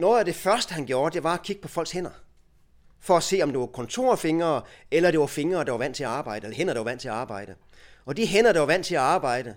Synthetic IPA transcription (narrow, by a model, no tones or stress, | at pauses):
nɔ̽ːð̩ˠæd̥e̝fɶɐsd̥əhænɡ̥jo̝ːɐd̥e̝ʋɑ̈ækʰiɡ̥ə̥pʰɒ̽fɒ̽l̰ɡ̥shen̰ɐ | fɒ̽æse̝̰ːɒ̽md̥e̝ʋɑ̈kʰɒ̽nt͡sʰo̝̰ːɐ̰fe̝ŋɐːelɐd̥e̝ʋɑ̈fe̝ŋɐːd̥ɑ̈ʋɑ̈ʋæn̰t͡sʰe̝læɑ̈ːb̥ɑ̈ɪ̰dəelɐhen̰ɐɾ̥ɑʋɑæn̰t͡sʰe̝læɑ̈ːb̥ɑ̈ɪ̰d̥ə | ɒ̽d̥iɦen̰ɐd̥ɑʋɑ̈ʋæn̰t͡sʰe̝læɑ̈ːb̥ɑ̈ɪ̰d̥ə